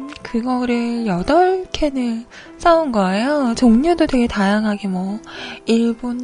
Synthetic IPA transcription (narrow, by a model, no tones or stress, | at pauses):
kɯɡʌɾɯjʌdʌɭkʰe̞nɯ | s͈aunɡʌejot͡ɕoŋɲudotwe̞ɡe̞tajaŋɦaɡemwʌiɭbon